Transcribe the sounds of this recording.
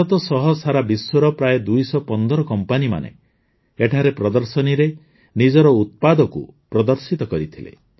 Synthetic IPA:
ɔt̪ɔsɔɦɔsaɾabiswɔɾɔpɾajd̪ujsɔpɔnd̪ɔɾɔkɔmpanima̰nḛ | eʈʰaɾepɾɔd̪ɔɾsɔniɾe | nid͡ʒɔɾɔut̪̚pad̪ɔkṵpɾɔd̪ɔɾsit̪ɔkɔɾit̪ʰilḛ

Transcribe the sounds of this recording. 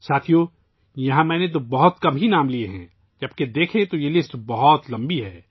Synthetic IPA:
saːt̪ʰijo | jɐɦãmɛ̃ːnet̪̬obɐɦʊt̪kɐbɦinaːmlieɦɛ̰̃ː | d͡ʒɐbked̪eːkʰẽt̪ojelɪsʈbɐɦɔt̪lɐ̃mbiɦɛː

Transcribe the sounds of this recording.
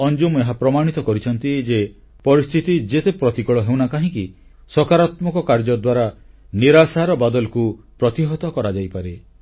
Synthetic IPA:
ɔnd͡ʒumeɦapɾɔmaɽ̃it̪ɔkɔɾit͡ʃʰɔnt̪id͡ʒe | pɔɾist̪ʰit̪id͡ʒet̪epɾɔt̪ikɔɭɔɦewnakaɦĩki | sɔkaɾat̪mɔkɔkaɾd͡ʒɔd̪waɾa | niɾasaɾɔbad̪ɔlɔkupɾɔt̪iɦɔt̪ɔkɔɾad͡ʒajpaɾe

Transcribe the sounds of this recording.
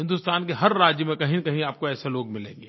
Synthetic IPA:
ɦɪ̃nd̪ust̪aːnkeɦɐɾɾaːd͡ʒjəmẽkɐɦĩnkɐɦĩaːp̚koɛːseloːɡ̚mɪlḛ̃ːŋɡeː

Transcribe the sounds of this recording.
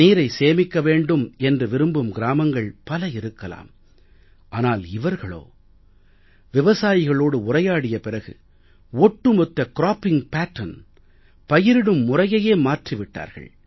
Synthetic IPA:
iːɾɐɪseːmɪkːɐʋeːɳɖɯmɛndrɯʋɪɾɯmbɯmɡɪɾaːmɐŋɡɐɭpɐlɐɪɾɯkːɐla̰ːm | ʔaːnaːlɪʋɐɾɣɐɭo̰ː | ʋɪʋɐsaːjɪɣɐɭoːɽɯʊrɐjaːɽɪjɐpɪrɐɣɯ̰ | ɔʈːɯmɔt̪ːɐkɾaːpɪŋpaːʈːɐn | pɐjɪɾɪɽɯmːʊrɐjɐjeːmaːʈrɪʋɪʈːa̰ːɾɣɐ̰ɭ

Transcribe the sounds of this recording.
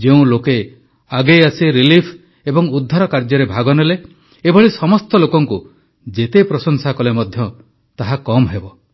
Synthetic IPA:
d͡ʒeũloke | aɡejasiɾilipʰ | ebɔŋud̪ʱːaɾɔkaɾd͡ʒɔɾebʱaɡɔnele | ebʱɔɭisɔmɔst̪ɔlokɔŋku | d͡ʒet̪epɾɔsɔŋsakɔlemɔd̪ʱjɔ | t̪aɦakɔmɦebɔ

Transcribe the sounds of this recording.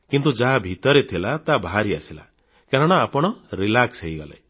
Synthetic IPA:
kint̪ud͡ʒaɦabʱit̪ɔɾet̪ʰilat̪abaɦaɾiasila̰ | kaɾɔɽ̃aːpɔɽ̃ɔɾilaksɦeiɡɔla̰j

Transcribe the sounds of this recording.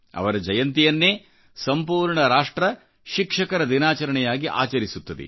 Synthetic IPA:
ɐ̰ʋɐɾɐd͡ʒɐjɐnt̪ijɐnːeː | sɐmpuːɾɳɐɾaːʂʈɾɐ | ʃikʂɐkɐɾɐd̪inaːt͡ʃɐɾɐɳɛjaːɡiʔa̰ːt͡ʃɐɾisut̪ːɐd̪ḛ

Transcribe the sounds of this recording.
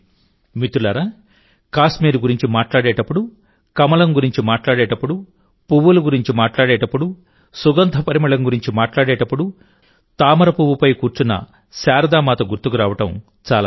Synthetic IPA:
mit̪ulɐɾa | kaːsmiːɾuɡuɾiɲt͡ʃimaːʈlaːɽɛːʈɐpːuɽu | kɐmɐlɐmɡuɾiɲt͡ʃimaːʈlaːɽɛːʈɐpːuɽu | puʋuluɡuɾiɲt͡ʃimaːʈlaːɽɛːʈɐpːuɽu | suɡɐnt̪ʰɐpɐɾimɐɭɐmɡuɾiɲt͡ʃimaːʈlaːɽɛːʈɐpːuɽu | t̪aːmɐɾɐpuʋupɐjkuːɾt͡ʃunːɐ̰ | saːɾɐd̪aːmaːt̪ɐɡuɾt̪ːukuɾaːʋɐʈɐm | t͡ʃaːla̰ː

